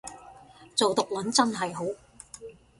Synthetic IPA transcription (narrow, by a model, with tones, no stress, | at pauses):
t͡so˨wt̪ʊ˨k̚lɐ˨˥nt͡sɐ˥nɦɐ˨jɦo˨˥w